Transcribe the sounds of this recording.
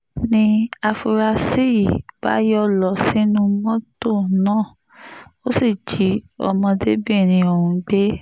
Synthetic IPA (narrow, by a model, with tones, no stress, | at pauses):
nĩ˧a˧fu˧ɾa˧si˦˨b̥a̰˦jɔ˦lɔ˨si˦nũ˦mɔ̃˦to˦˨nãː˦˨ | o˦si˦˨d͡ʒi˨˦ɔ̰˧mɔ̃˧de˦bi˦˨ñĩ˧o˨ɾũ˨˧˦ɡ͡be˦